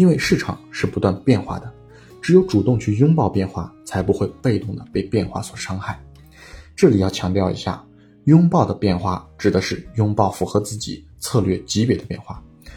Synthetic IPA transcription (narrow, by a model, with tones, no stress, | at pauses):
i˥nwe˥˧ɪʂɻ̩˥˩ʈ͡ʂʰɑ̰˨˩˦ŋʂɻ̩˥˩pu˧˥t̪wa˥˧npjɛ˥˧nxwa̰˥˩d̪ə˩ | ʈ͡ʂɻ̩˧˥jo˧˥ʊʈ͡ʂu˨˩t̪ʊ˥˧ŋt͡ɕʰy˥˩jʊ˥ŋpɑ˥˧ʊpjɛ˥˧nxwa̰˥˩t͡sʰa˧˥ɪpu˧˥xwe˥˧ɪpe˥˧ɪt̪ʊ˥˩ŋd̪ə˩pe˥˧ɪpjɛ˥˧nxwa̰˥˩swɔ˨˩ʂɑ˥ŋxa˥˩ɪ | ʈ͡ʂɤ˥˩li˨˩jɑ˥˩ʊt͡ɕʰjɑ˧˥ŋt̪jɑ˥˩ʊḭ˧˥ɕja̰˥˩ | jʊ˥ŋpɑ˥˩ʊd̪ə˩pjɛ˥˧nxwa̰˥˩ʈ͡ʂɻ̩˨˩d̪ə˦ʂɻ̩˥˩jʊ˥ŋpɑ˥˩ʊfu˧˥xɤ˧˥t͡sɹ̩˥˩t͡ɕḭ˨˩˦t͡sʰɤ˥˧lɥɛ˥˩t͡ɕi˧˥pjɛ˨˩d̪ə˦pjɛ˥˩nxwa̰˥˩